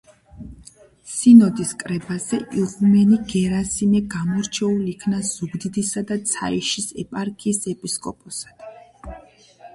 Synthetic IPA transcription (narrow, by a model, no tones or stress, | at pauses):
sinɔd̪iskʼɾɛbazɛʔiʁumɛniɡɛɾasimɛɡamɔɾt͡ʃʰɛulikʰnaz̥uɡd̪id̪isad̪at̪sʰa̰iʃisɛpʼaɾkʼiːsɛpʼiskʼɔ̰pʼɔsḁd̪̥